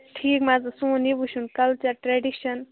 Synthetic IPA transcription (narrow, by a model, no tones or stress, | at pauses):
ʈʰiːkmazɨsũːnibuʃunkɐlt͡ʃɐɾʈɾeɖiʃɐn